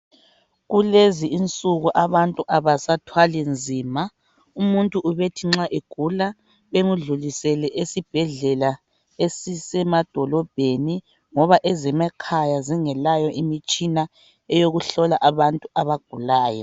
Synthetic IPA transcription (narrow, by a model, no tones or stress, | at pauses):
ɣuleziʔint͡sʼuɣuʔaβantʼuʔaβasatʰwalɛnd͡zʱiːma | umuntʼuʔuβetʰiŋ͡ǁaʔeɡ̥ʱula | βemuɮulisɛlɛʔesib̥ʱɛɮɛla | esisɛmad̥ʱɔlɔb̥ʱeni | ŋɔβaʔɛzɛmakʰajaziŋɛlajɔʔimit͡ʃʼina | ɛjoɣuɬɔlaʔaβantʼuaβaɡ̥ʱulaːjɔ̰